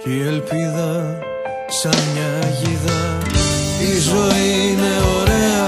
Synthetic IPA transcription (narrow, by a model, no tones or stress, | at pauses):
ielpiðɐ | sɐmɲɐʝiðɐ | izo̞iineo̞ɾeɐ